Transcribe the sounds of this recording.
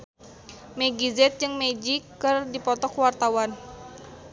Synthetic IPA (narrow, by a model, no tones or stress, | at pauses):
mɛɡizɛt̪̚d͡ʒɨŋmɛd͡ʒikːɨrdipɔt̪ɔkwart̪awan